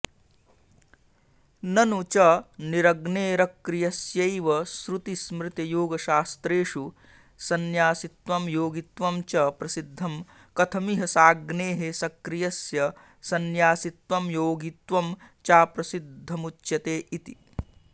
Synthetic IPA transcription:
nɐnut͡ʃɐniɾɐɡneːɾɐkɾijɐsjɐjʋɐsɾut̪ismɾɪt̪ɐjoːɡɐʃaːst̪ɾeːʂu | sɐnjaːsit̪ʋɐmjoːɡit̪ʋɐmt͡ʃɐpɾɐsid̪ʱːɐm | kɐt̪ʰɐmiɦɐsaːɡneːɦesɐkɾijɐsjɐ | sɐnjaːsit̪ʋɐmjoːɡit̪ʋɐm | t͡ʃaːpɾɐsid̪ʱːɐmut͡ʃːjɐt̪eːʔit̪i

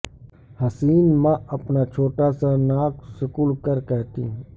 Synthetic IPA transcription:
hɐsiːnmãɐpnat͡ʃʰoːʈasanaːksɪkuːlkəɾkɛɦt̪ḭ̃

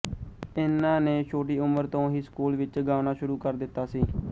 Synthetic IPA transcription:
ɪnãːneːt͡ʃʰoːʈ̬iːʊməɾt̪õːɦiːskuːlʋɪt͡ʃɡaːʋnaːʃʊɾuːkəɾd̪ɪt̪ːaːsiː

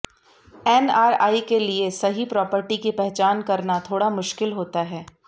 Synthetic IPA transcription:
ɛːnaːɾa̰ːikeliesɐɦipɾɔːpəɾʈikipɛɦɛt͡ʃaːnkɐɾnat̪ʰoːɽamʊʃkɪlɦoːt̪aɦɛː

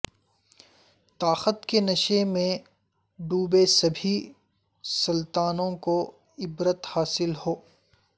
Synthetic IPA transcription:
t̪aːxət̪kenɐʃemẽ | ɖuːbesɐbʱi | sɐlt̪aːnõko | ɪbɾət̪haːsɪlhoː

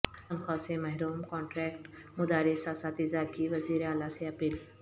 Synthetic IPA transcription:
t̪ɐnxɔːsemɐɦɾuːmkɔ̃ːɳʈɾɛːkʈ | mʊd̪aːɾisaːsaːt̪izaːkiʋɐziːɾeaːlaseɐpiːl

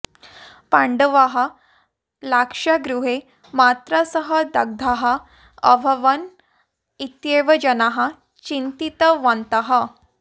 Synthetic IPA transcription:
pãɳɖəʋaɦa | lakʂaɡɾuɦe | mat̪ɾasəɦəd̪əɡ̚d̪ʱaɦa | ə̰bʱəʋən | it̪jeʋəd͡ʑənaɦa | t͡ɕint̪it̪əʋant̪aɦa

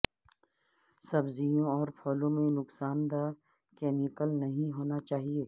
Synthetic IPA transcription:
sɐbzijõɔːɾpʰɔːlõmẽnʊksaːnd̪a | kɛːmikəlnɐɦĩɦoːnat͡ʃaːɦieː

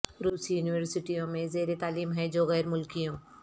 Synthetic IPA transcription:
ɾuːsijuːniʋəɾsɪʈijõmẽzeːɾet̪aːliːmɦɛ̃d͡ʒoːɣɛːɾmʊlkiõː

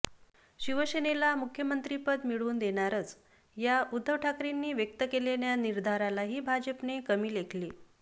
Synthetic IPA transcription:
ɕiʋəsenelamukʰjəmənt̪ɾipəd̪miɭuːnd̪eɽ̃aɾət͡s | jaud̪ʱːəʋʈʰakɾinːiːʋjək̚t̪əkeleɳjaniɾd̪ʱaɾalaɦiːbʱad͡ʑəpnekəmiːlekʰli

